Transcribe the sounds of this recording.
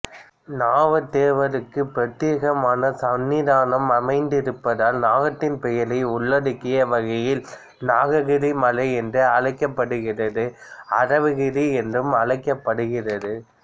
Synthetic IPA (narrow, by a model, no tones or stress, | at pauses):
naːʋɐt̪ːeːʋɐɾɯkːɯpɾɐt̪ːeːɣɐmaːnɐsɐnːiðaːnɐmɐmɐɪnd̪ɪɾɯpːɐðaːlnaːɣɐʈ̪ːɪnpɛjɐlɐɪʊɭːɐɽɯkːɪjɐʋɐɣɐjɪl | naːɣɐɣɪɾimɐlɐɪɛndrɯɐɻɐɪkːɐpːɐɽɯɣɪrɐðɯɐ̰rɐʋɯɣɪɾiɛndrɯmɐɻɐɪkːɐpːɐɽɯɣɪrɐðɯ